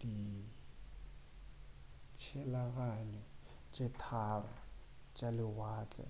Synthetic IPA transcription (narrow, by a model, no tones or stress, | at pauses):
d̥i | t͡ʃʰɛlaɣanɛ | t͡ʃʼɛtʰara | t͡ʃʼalɪwaːt͡ɬʼɛ̰